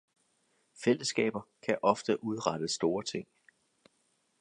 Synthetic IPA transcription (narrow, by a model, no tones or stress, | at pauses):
fel̰əsɡ̥ɛ̰ːb̥ɐkʰæʔɒ̽fd̥əʔuð̞ˠʁɑd̥əsd̥o̝ːɐt͡sʰe̝ŋ̰